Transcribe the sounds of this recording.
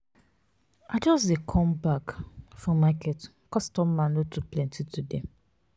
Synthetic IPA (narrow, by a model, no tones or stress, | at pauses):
aɪd͡ʒɔsdekʰɔ̃mbakfɹɔ̃makɛt | kɔstɔmːãnlotʰuplɛ̃ntitʰude